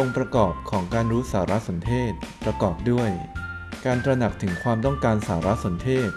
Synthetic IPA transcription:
o˧ŋpɾa˧kɔː˨˩p̚kʰɔː˩˦ŋkaː˧nɾuː˦˥saː˩˦ɾa˦˥so˩˦nt̪ʰeː˥˩t̪̚pɾa˧kɔː˨˩p̚du˥˩əj | kaː˧nt̪ɾa˧na˨˩k̚t̪ʰɯ˩˦ŋkʰwaː˧mt̪ɔ˥˩ŋkaː˧nsaː˩˦ɾa˦˥so˩˦nt̪ʰeː˥˩t̪̚

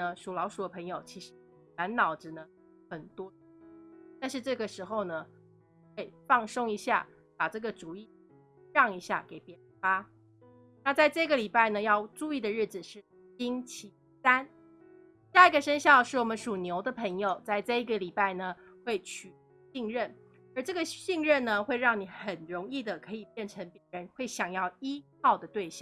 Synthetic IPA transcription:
ə˩ʂu˨˩lɑ˧˥ʊʂu˨˩d̪ə˦pʰɤ˧˥ŋjo˨˩ʊt͡ɕʰi˧˥ʂɻ̩˥˧˥ | na˧˦˥nnɑ˨˩ʊʈ͡ʂ̩˩nə˦ | xə˨˩nt̪wɔ˥t̪a˥˧nʂ̬ɻ̩˥˧ʈ͡ʂɤ˥˩ɡə˩ʂɻ̩˧˥xo˥˧ʊnə˩ | xwe˥˩ɪfɑ˥˩ŋso˥ŋi˧˥ɕja̰˥˩ | pa˨˩ʈ͡ʂɤ˥˩ɡə˩ʈ͡ʂu˨˩i˥˩ | ɻɑ˥˩ŋi˧˥ɕja̰˥˩ke˨˩ɪpjɛ˧˥˧fa˥ | na˥˧t͡sa˥˧ɪʈ͡ʂɤ˥˧i˥ɡə˨li˨˩pa˥˩ɪnə˩jɑ˥˧ʊʈ͡ʂu˥˧i˥˩d̪ə˩ɻɻ̩˥˩d͡z̩˨˩ʂɻ̩˥˩ | i˥ŋt͡ɕʰi˧˥ | sa˦˥n | ɕja˥˩i˧˥ɡə˨ʂə˥nɕjɑ˥˧ʊʂɻ̩˥˩wɔ˨˩mə˦nʂu˨˩njo˧˥ʊd̪ə˨pʰɤ˧˥ŋjo˨ʊt͡sa˥˧ɪʈ͡ʂɤ˥˧i˥ɡə˨li˨˩pa˥˩ɪnə˩xwe˥˩ɪt͡ɕʰy˨˩ | ɕi˥˧ŋɻə˥˩n | ə˞˧˥ʈ͡ʂɤ˥˩ɡə˩ɕi˥˧ŋɻə˥˩nnə˩xwe˥˧ɪɻɑ˥˩ŋni˨˩˦xə˨˩nɻo˧˥ŋi˥˩d̪ə˩kʰɤ˧˥i˨˩pjɛ˥˩nʈ͡ʂʰə˧˥ŋpjɛ˧˥ɻə˧˦nxwe˥˩ɪɕjɑ˨˩ŋjɑ˥˩ʊi˥kʰɑ˥˩ʊd̪ə˩t̪we˥˧ɪɕjɑ˥˨

